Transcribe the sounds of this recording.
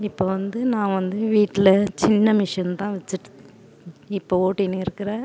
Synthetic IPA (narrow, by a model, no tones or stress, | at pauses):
ɪpːoːʋɐnd̪ɯnãːʋɐnd̪ɯʋiːʈːɪlɐt͡ʃɪnːɐmɪʂjɐnt̪ãːʋɛt͡ʃːɯʈːɯ̥ | ɪpːooːʈːɪneɪɾɯkːɪɾẽː